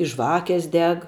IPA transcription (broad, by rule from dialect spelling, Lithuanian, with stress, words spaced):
ɪ ˈʒʋɑːkʲeːs ˈdʲɛk